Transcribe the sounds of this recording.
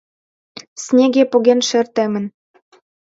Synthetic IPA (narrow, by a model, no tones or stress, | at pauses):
snʲeɣepoɣenʃĕrt̪ĕmɘ̆n